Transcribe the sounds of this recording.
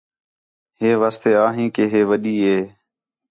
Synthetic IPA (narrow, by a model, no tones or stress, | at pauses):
ɦeːʋaːst̪eːaːɦĩːkeːɦeːʋəɗiːɦeː